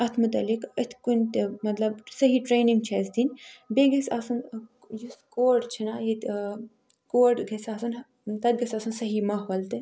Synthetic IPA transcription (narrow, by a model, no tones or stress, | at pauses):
ɐt̪ʰmut̪ɐlikɐt̪ʰkunʲt̪mɐt̪lɐbsɐɦiʈɾeːniŋɡ̚t͡ʃʰɐsd̪inʲbeɡɐsʲɐsun | juskoːɖt͡ʃʰinajit̪ | koːʈɡʱɐsaːsun | t̪ɐd̪̚ɡɐsʲasunsɐɦimɐɦʋɐlt̪e